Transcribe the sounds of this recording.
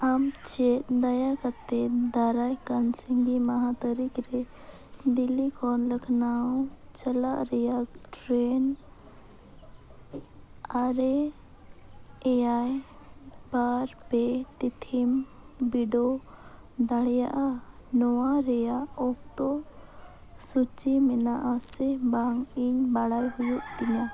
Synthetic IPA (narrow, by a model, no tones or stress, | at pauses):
amt͡ʃed̪ɐjakət̪ːed̪aɾajkənsiŋɡimaɦat̪əɾikɾe | d̪ilikʰɔnləkʰnaũt͡ʃəlaɾijaʈɾeːn | aɾe | ɛjaj | baɾpɛʈ̪it̪ʰim | biɖo | d̪aɽɛjaʔanɔwaɾɛjaɔk̚t̪ɔ | sut͡ʃimɛnaʔasɛbaŋiɲbaɽajɦujuʔt̪iɲã